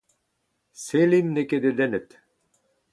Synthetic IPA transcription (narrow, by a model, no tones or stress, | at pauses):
selinːeked̪ĕd̪ɛnɘ̆t̪